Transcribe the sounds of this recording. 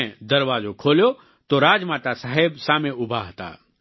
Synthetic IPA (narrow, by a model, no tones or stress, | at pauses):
ẽd̪ɐɾʋaːzokʰoːljo | t̪oɾaːd͡ʒmãːt̪asaɦebsaːmẽʊbʱaɦət̪a̰ː